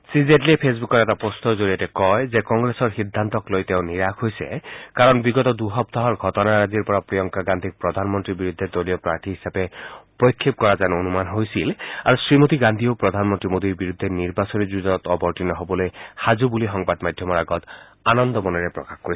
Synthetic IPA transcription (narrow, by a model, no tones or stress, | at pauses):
sizetliepʰesbukɔɾɛtapost̪ʰɔzoɹijatɛkɔjzekɔŋɡɹesɔɹxid̪ʱːant̪ɔklojt̪eʊniɹakʰɦojsḛkaɹɔnbiɡɔt̪ɔd̪uɦɔp̚t̪ʰaɦɔɹɡʱɔtɔnaɹaziɹpɔɹapɹijɔŋkaɡand̪ʱik̚pɹɔd̪ʱanmɔntɹibiɹud̪ʱːed̪olijɔpɹaɹtiɦisapepojkʰːip̚kɔɹazanonumanɦojsilaɹusɹimot̪iɡand̪ʱiopɹɔd̪ʱanmɔnt̪ɹimod̪iɹbiɹud̪ʱːeniɹbasonizuzɔɔt̪ɔbɔɹʈinɔɦobɔlojhazubulixɔŋbad̪mad̪ʱjɔmɔɹaɡɔt̪ | anɔnd̪ɔmɔnɛɹepɹɔ̰kaxkoɹis